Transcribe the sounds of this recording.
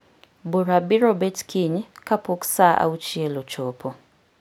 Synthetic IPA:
buɾabiɾɔbɛtkʰiɲkapoksaʔa̰ut͡ʃielot͡ʃopʰo

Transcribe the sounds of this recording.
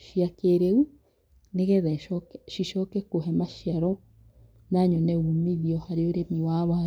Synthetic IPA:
ʃiakeɾeu | neɣɛðɛʃɔkʃiʃɔkɛkoɦɛmaʃiaɾɔ | naɲoneɣumiðiɔhaɾeoɾemiwaβɔha

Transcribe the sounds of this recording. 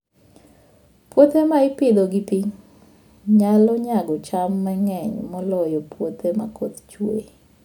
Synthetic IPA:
pwot̪emaɪpɪd̪oɡipiɲ | ɲalɔɲaɡɔt͡ʃamːɛŋɛɲmɔlɔjɔpwot̪ʰema̰kʰot̪t͡ʃwḛ

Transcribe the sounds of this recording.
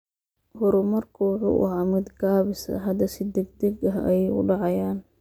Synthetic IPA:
hʊɾʊmɐrkʰɐwʊħṵːʔʊ̰ʕɑmɪd̪ɡaːβɪsɐ̰ɦɐd̪ɐsɪd̪ɛɡ̚d̪ɛɡɐɦɛ̰jɛjʊ̰ɖɑʕɑjaːn

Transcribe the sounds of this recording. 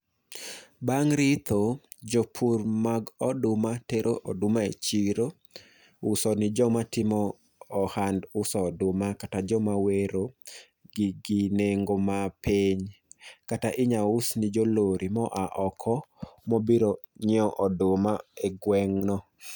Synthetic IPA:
baŋɾɪt̪ʰod͡ʒopʰurmaɡɔdʊmateɾʔoʔɔdʊmaḛt͡ʃiɾo | ʊsɔnɪd͡ʒɔmatɪmɔː | handʊsɔdʊmakatad͡ʒɔmaweɾo | ɡɪɡineŋɡomapeɲkataʔɪɲaʊsnɪd͡ʒoloɾʔimɔʔaʔɔkʰɔmobiɾoɲɪɔʔɔdʊmaeɡwɛŋnɔ

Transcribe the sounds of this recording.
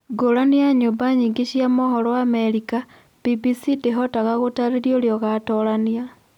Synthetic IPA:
ɡoɾaniaɲombaɲiːŋɡeɕjamoɦɔɾɔwaːmeɾika | b̥ibisideɦɔtaɣaɣotaɾeɾjoɾjɔɣatɔɾanja

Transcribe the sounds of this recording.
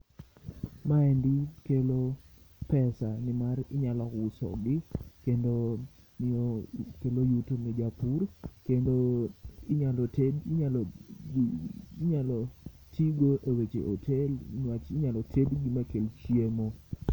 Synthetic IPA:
maɛndikelo | pɛsanɪmaɾɪɲalɔkʊsɔ̰ɡɪkendo | nɪokelojutonɛd͡ʒapurkendoɪɲalɔtedɲal | ɲalɔ | tiɡoʔewet͡ʃḛʔotʰelnwat͡ʃɪɲalɔtʰedɡimakelt͡ʃjemo

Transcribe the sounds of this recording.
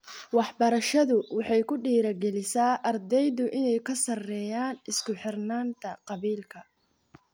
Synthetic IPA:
wɑħbɐɾɐʃɐðʊwɑħɑjkʰʊɖiːɾɐɡɛlɪsaːʔɐrd̪ɛjðʊʔɪnɛjkʰɐsɐrɛːjaːnɪskʰʊħɪrnaːnt̪ʰɐqɑβiːlkʰɐ

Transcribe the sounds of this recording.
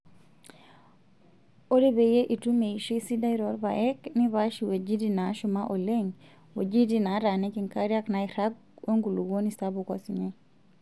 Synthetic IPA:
oɾibɛjeʔitumejʃisidajɾɔɾba̰ʔɛkniβaʃiwed͡ʒidinaʃumaʔɔleɲ | wo̰d͡ʒidinaɾanekiŋkaɾiaknajɾaɡ̚ | woŋɡuluwonisabukasiɲe

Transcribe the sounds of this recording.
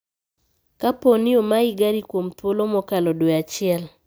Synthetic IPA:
kaponɪomaɪɡaɾikwomtwolomɔkalɔdweat͡ʃɪɛl

